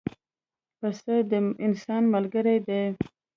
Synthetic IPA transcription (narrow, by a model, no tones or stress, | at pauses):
pəsəd̪əɪnsɑnmalɡəɾajd̪e